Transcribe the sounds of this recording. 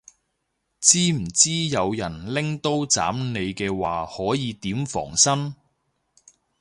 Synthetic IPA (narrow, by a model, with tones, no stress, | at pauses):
t͡siː˥m̩˨˩t͡siː˥jɐ˨˧wjɐ˨˩nlɪ˥ŋt̪o˥wt͡sa̰ː˨˥mne˨˧jkɛː˧waː˨˩hɔː˨˥jiː˨˧t̪iː˨˥mfɔ̰ː˨˩ŋsɐ˥n